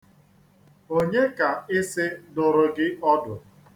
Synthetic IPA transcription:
o˦ɲe˦ka˨ɪ˦sɪ˦dʊ˨ɾʊ˦ɡɪ˦ɔ˦dʊ˨

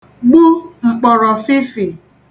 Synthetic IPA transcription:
ɡ͡bu˦ŋ͡m̩˨k͡pɔ˨ɾɔ˨fɪ˦fi˨

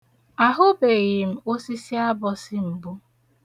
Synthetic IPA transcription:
a˨ɦʊ˦be˨ɣɪ˨m̩˨o˦si˦si˦a˦bɔ˨sɪ˦m̩˨bʊ˦

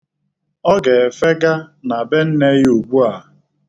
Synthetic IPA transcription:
ɔ˦ɡe˨fe˦ɡa˦na˨be˦n̩˦ne˦ju˨ɡ͡bu˦a˨

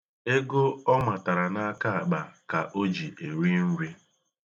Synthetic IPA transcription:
e˦ɡo˦ɔ˦ma˨ta˨ɾa˨na˦ka˦a˨k͡pa˨ka˨ʔo˦d͡ʒi˨ʔe˨ɾi˦n̩˦ɾi˦

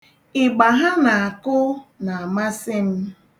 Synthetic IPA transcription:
ɪ˨ɡ͡ba˨ɦa˦na˨a˨kʊ˦na˨a˨ma˦sɪ˦m̩˦

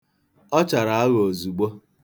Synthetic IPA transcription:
ɔ˦t͡ʃa˨ɾa˨a˦ɣo˨zu˨ɡ͡bo˦

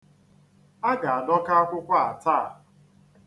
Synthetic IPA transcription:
a˦ɡa˨a˨nɔ˦ka˦a˦kʷʊ˦kʷa˦a˨taː˦˨

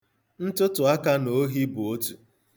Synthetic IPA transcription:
n̩˦tʊ˦tʊ˨a˦ka˦no˨˦ɦi˦bu˨o˦tu˨

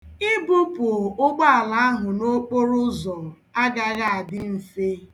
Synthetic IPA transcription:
ɪ˦bʊ˦pʊ˨ʊ˦ɡ͡ba˦a˨la˨a˦ɦʊ˨no˦k͡po˦ɾʊ˦zɔ˨ | a˦ɡa˦ɣa˦a˨dɪ˦n̩˨se˦

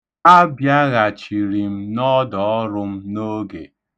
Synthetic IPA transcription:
a˦bja˦ɣa˨t͡ʃi˨ɾi˨m̩˦nɔ˦dɔ˨ɔ˦ɾʊ˦m̩˦no˦ɡḛ˨

